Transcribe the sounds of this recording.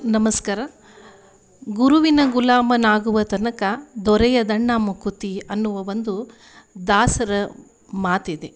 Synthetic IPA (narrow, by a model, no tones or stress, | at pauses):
nɐmɐskaːɾɐ | ɡuɾuʋinɐɡulaːmɐnaːɡuʋɐt̪ɐnɐkɐd̪ɔɾɛjɐd̪ɐɳːaːmukut̪iɐnːuʋɐʋond̪u | d̪aːsɐɾɐ | maːt̪id̪e